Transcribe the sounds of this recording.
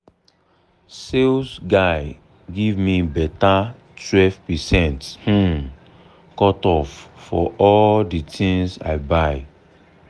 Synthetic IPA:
sesɡaɪ | ɡivmibɛta | twɛvpɛsɛ̃nth̩ | kɔtɔffɔʔɔlditʰĩŋsa̰ɪbaɪ

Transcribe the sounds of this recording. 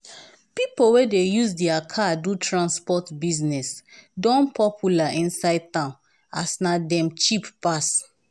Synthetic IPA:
pipowɛdejusdɛakʰadutɹãnspɔtbiznɛsdɔ̃npɔpʰjulaĩnsaɪd̚tãʊ̃n | a̰snadɛ̃mt͡ʃippas

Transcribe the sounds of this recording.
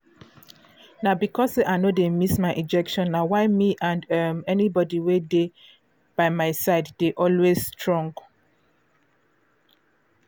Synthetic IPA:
naʊbikʰɔseʔaɪnodemismaɪʔid͡ʒɛkʃɔ̃nːawaɪmiʔãndʌmɛnibɔdiwede | b̥aɪmaɪsaɪddeʔɔlwesstʰɹɔ̃ŋɡ

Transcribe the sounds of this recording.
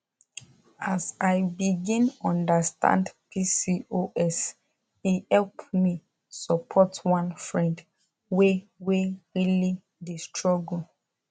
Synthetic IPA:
asajbiɡĩnɔ̃ndəstʰã̰ndpisioʔɛs | ihɛlpmi | sɔpʰɔtwãnfɹɛ̃nd | weweɹili | destʰɹɔɡul

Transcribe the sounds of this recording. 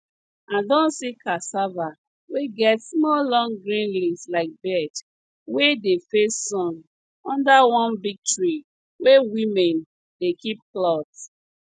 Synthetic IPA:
ãndɔ̃nsikʰasava | weɡɛtsmɔllɔ̃ŋɡɾĩnlislaɪk̚bɛt | wedefesːɔ̃n | ɔ̃ndawɔ̃nbiɡ̚tɹi | wewĩmɛ̃n | dekip̚klɔt

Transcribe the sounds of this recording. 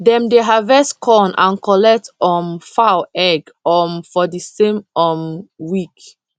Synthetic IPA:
dɛ̃mdeɦavɛskʰɔ̃nʔã̰nkɔlɛk̚tɔ̃nfawɛɡ | ɔ̃nfɔdisẽmɔmwik

